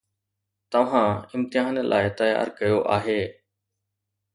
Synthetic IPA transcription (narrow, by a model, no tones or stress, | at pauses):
t̪ɐʋ̤ãːɪmt̪ɪɦaːnlʔa̰ːɪt̪əja̰ːɾkɐjoʔaːɦeː